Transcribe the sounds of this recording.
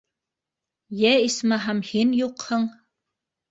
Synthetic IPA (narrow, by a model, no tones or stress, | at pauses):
jɛismaɦamhinjuqhɤ̆ŋ